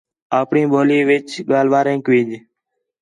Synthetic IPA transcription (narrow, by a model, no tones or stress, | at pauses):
aːpɳiːboːliːʋɪt͡ʃɠaːlʋaːɾẽːkʋĩːd͡ʒ